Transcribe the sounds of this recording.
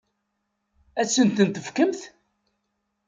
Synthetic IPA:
æsːənt̪ənt̪əfkəmθ

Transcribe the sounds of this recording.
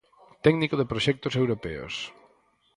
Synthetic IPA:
t̪ɛknikoðɪpɾoʃɛk̚t̪ʊsewɾopɛ̰o̰s

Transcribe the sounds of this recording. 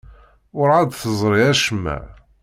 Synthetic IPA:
ʊɾʕad̪θəzˤɾˤiæʃəmːæ̰

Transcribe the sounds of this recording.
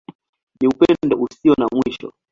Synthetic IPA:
niupɛdɔʔusiɔnamwiʃɔ̰

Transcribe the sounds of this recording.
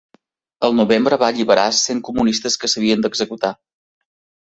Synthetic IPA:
əlˠnuβembɾəβaʎiβəɾaseŋkumunist̪əskəsəβiənd̪əɡzəkut̪a

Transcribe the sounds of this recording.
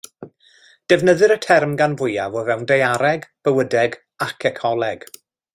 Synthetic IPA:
d̥ɛvnəðɨɾətʰɛrmɡanvʊjavovɛwndejaɾɛɡb̥əwədɛɡ | akʰɛkʰɔlˠɛɡ̥

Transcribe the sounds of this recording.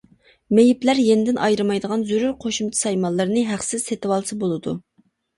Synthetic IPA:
mejiplæɾjenɪd̪ɪnʔɑjɾɨmɑjd̪əʁɑnzyɾyɾqʰoʃumt͡ʃ̪ʰɪ̥sɑjmɑlˠːɨɾnɨɦæχsɪzset̪ɪwɑlˠsɨbolˠɨd̪u

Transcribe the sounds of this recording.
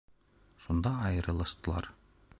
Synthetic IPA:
ʃund̪ɑːjɤ̆ɾɤ̆lˠɑʃt̪ɤ̆lˠɑ̰ɾ

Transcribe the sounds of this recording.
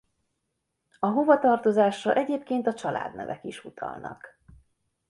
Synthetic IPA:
ɒɦovɒt̪ɒrt̪o̞zaːʃrɒʔɛɟeːpkeːnt̪ɒt͡ʃɒla̰ːd̪nɛ̰vɛkiʃut̪ʰɒ̰lnɒ̰k

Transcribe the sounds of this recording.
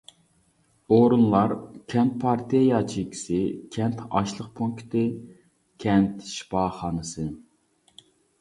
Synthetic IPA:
oɾunlˠɑɾkʲʰɛnt̪̚pʰɑɾt̪ʰijejɑt͡ʃʰikʲʰi̥sɪkʲʰɛnt̪ʰɑ̰ʃlˠəqpʰuŋkt̪ʰɨ | kʲʰɛnt̪ʃi̥pɑːχɑːnɨsɨ

